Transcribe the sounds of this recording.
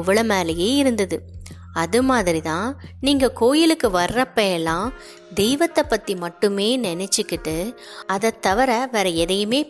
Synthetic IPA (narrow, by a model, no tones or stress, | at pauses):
ʊʋɐɭɐmaːlɐjeːɪɾɯnd̪ɐðɯ | ɐðɯmaːðɪɾit̪ãːniːŋɡɐkoːjɪlɯkːɯʋɐɾːɐpːɐɛlːãː | d̪ɛjʋɐt̪ːɐpːɐt̪ːimɐʈːɯmeːnɛnɛt͡ʃːɯkːɪʈːɯ | ɐðɐt̪ːɐʋɐɾɐʋɐɾɐɛðɐjɯmeː